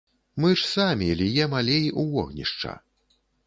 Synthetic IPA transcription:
mɨʂsamʲilʲijɛmalʲejʔuvɔɣnʲḭʂt͡ʂɐ̰

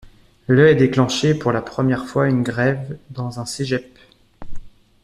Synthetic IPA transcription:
lœɛd̪eklɑ̃ʃepuʁlapχəmjɛʁfwaynɡʁɛvd̪ɑ̃zɛ̃seʒɛp

